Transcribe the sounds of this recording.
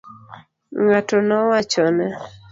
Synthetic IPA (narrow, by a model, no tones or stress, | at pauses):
ŋatɔnɔwat͡ʃɔnɛ